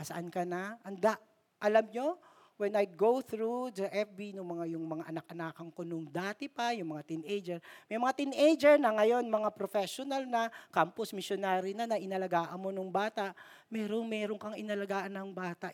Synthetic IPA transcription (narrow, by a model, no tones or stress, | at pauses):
ɐsɐʔankɐnɐʔɐnd̪aʔ | ʔɐlamɲo | wɛnɐjɡowθɾud̪ɐʔɛfbinʊŋmɐŋajʊŋmɐŋaʔɐnɐk̚ʔɐnaːkɐŋko̞nʊŋd̪aːt̪ɪpɐjʊŋmɐŋat̪inʔejd͡ʒɛɹmɐjmɐŋat̪inejd͡ʒɛɹnɐŋɐjo̞nmɐŋapɾofɛʃonɐlnɐkampʊsmɪʃjonaːɾɪnɐnɐʔɪnɐlɐɡaːʔɐnmo̞nʊŋbaːt̪ɐʔ | mɛːɾoŋmɛːɾoŋkɐŋɪnɐlɐɡaːʔɐnːɐŋbaːt̪aʔ